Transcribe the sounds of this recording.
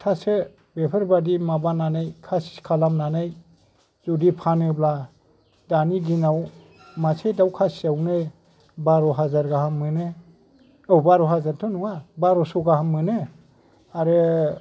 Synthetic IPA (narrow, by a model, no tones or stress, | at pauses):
tʰasɯ | bepʰɯɾbadimabananajkʰasi̥kʰalamnanaj | zudipʰanɯbla | daniɡinaw | masejdawkʰasawnɯ | baɾɔɦazaɾɡahamːɯnɯ | ɔwbaɾɔhazaɾtʰɔnuŋabaɾɔsɔɡaɦamːɯnɯ | aɾɯ